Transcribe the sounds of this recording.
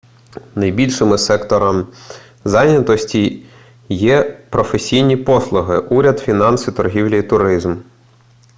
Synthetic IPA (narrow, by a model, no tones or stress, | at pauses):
nɐjbʲilʲʃɪmɪsɛkt̪ɔɾɐm | zɑjnʲɐt̪ɔsʲtʲi | jɛpɾɔfesʲijnʲipɔslˠʊɦɪʔuɾʲɐd̪fʲinɑnsit̪ɔrɦʲiwlʲɐit̪ʊɾɪzm